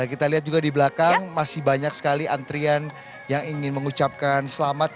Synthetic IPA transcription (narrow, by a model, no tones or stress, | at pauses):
akit̪aliɦat̪̚d͡ʒuɡadibəlakaŋmasɪhbaɲak̚sə̥kaliʔant̪ɾian | jaŋiŋɪnməŋut͡ʃap̚kansəlamat̪̚